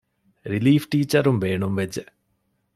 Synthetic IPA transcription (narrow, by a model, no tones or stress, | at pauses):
ɾiliːfʈiːt͡ɕːɐɾumʋe̞ːɳumʋɐt͡ɕːɨ